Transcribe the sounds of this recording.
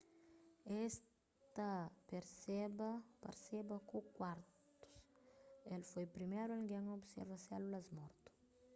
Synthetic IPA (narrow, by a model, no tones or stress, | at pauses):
es | t̪ɐpeɾsebɐpaɾsebɐkukwaɾt̪ | u̥s | elfojpɾimejɾuelɡɛŋobsḛɾvɐsɛlulɐzmɔɾt̪u̥